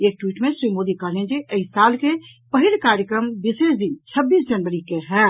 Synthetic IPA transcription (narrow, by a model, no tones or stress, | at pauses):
eːk̚ʈwiːʈmẽsɾiːmoːd̪ikəɦlẽnd͡ʒiʔɐɪsaːlke | pɐɦilkaːɾjəkɾəmbɪseːsd̪ɪnt͡ʃʰɐbːiːsd͡ʒɐnʋəɾikeɦɛː